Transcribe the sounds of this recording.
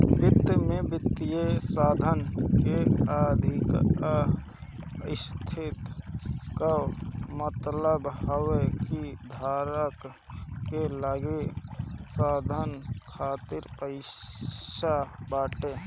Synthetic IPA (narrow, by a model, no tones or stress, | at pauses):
bɪt̪mẽbɪt̪ːijesaːd̪ʱənkeəd̪ʱɪk | ɪst̪ʰɪt̪kamət̪ləbhəwekid̪ʱaːɾək | kelaɡe | saːd̪ʱənkʰaːt̪ɪɾpəɪ | ʃabaːʈeː